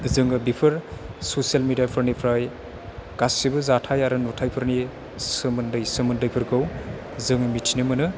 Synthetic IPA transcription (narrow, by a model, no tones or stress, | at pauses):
zɯŋɯbipʰɯɾsosijalmidijapʰɯɾnipʰɾaj | ɡ̥asibɯzatʰajaɾɯnutʰajpʰɯɾni | sɯmɯndɯjsɯmɯndɯjpʰɯɾɡɯw | zɯŋɯmitʰinɯmɯnɯ